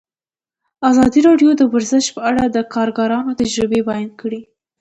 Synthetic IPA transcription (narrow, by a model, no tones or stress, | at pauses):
azɑd̪iɾɑɖjod̪əwaɾzəʃpəaɽad̪əkʰɑɾɡɑɾɑnot̪ad͡ʒɾɪbebɑjnkəɽi